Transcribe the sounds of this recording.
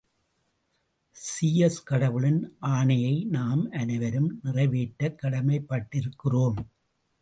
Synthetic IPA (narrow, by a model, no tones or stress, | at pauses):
siːɛskɐɽɐʋɯɭɪnʔaːɳɐjɐɪnaːmʔɐnɐɪʋɐɾɯmnɪrɐɪʋeːʈːɐkːɐɽɐmɐɪpːɐʈːɪɾɯkːɪroːm